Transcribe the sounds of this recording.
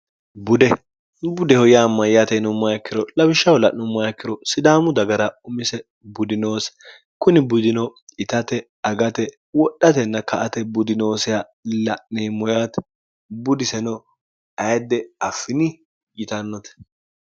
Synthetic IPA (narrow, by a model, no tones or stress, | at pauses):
bʊd̪ɛ | bʊd̪ɛhɔjamːɐjɐt̪ɛnʊmːɐjɐkːɪɾɔlɐbɪʃːɐwlɐʔnʊmːɐjɐkːɪɾɔsɪd̪aːmʊd̪ɐɡɐɾɐʊmɪsɛ | bʊd̪ɪno̞ːs | kʊnɪbʊd̪ɪnɔɪt̪ɐt̪ɛ | ɐɡɐt̪ɛ | wɔɗːɐt̪ɛnːɐkɐʔɐt̪ɛbʊd̪ɪnoːsɛa | lɐʔneːmɔjat̪ | bʊd̪ɪsɛnɔ | ɐjd̪ɛɐfːɪnɪ | jɪt̪ɐnːɔt̪ɛ̥